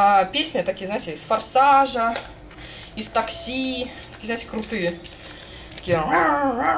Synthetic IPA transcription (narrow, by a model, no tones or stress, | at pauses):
apʲesʲnʲɪt̪ɐkʲijəznaɪtʲɪɪsfɐrsaʐə | ist̪ɐksʲi | t̪ɐ̥kʲiːəzaɪtʲɪkɾʊt̪ɨjə | t̪ɐ̥kʲij